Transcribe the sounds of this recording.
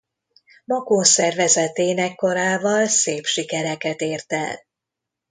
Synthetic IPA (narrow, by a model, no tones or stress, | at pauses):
mɒkoːsɛrvɛzɛt̪eːnɛkːo̞ɾaːvɒlseːpʃikɛɾɛkɛt̪eːrt̪ɛ̰l